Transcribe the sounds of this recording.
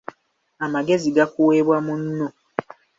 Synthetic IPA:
amaɡe̞ziɡakuweːβwamunːo

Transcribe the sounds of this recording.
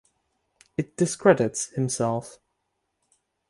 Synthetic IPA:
ɨt̚d̥ɪskʰɹ̥ɛdɪtshɨ̃msɛlˠf

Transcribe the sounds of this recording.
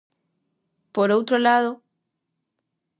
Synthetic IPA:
poɾowt̪ɾolaðo

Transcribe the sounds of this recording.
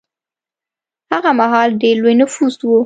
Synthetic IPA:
aɣamaɦaldelwenɨfuːsuo

